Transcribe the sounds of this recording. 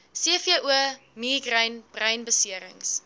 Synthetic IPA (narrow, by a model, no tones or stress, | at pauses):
siəfiəʔuə | miːɡrəjnb̥rɐɥnbəsiəɾə̰ŋs